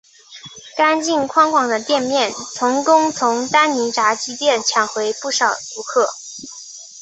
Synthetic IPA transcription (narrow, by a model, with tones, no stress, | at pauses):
ka˥nt͡ɕi˥˩nkʰwɑ˥ŋkwɑ˨˩ŋd̪ə˦t̪jɛ˥˧nmjɛ˥˩nt͡sʰʊ˧˥ŋkʊ˥ŋt͡sʰʊ˧˥ŋt̪a˥nni˧˥ʈ͡ʂa˧˥t͡ɕi˥t̪jɛ˥˩nt͡ɕʰjɑ˨˩ŋxwe˧˥ɪpu˥˩ʂɑ˨˩ʊt̪u˧˥kʰɤ˥˩